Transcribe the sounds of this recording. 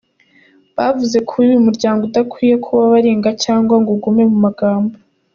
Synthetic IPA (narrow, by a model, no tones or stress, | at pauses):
βavuze̞kʰuɾujumuɾɟaːŋɡoudakwiːjekʰuβaβaɾiːŋɡacaːŋɡwaŋɡoɡume̞mumaɡaːmbo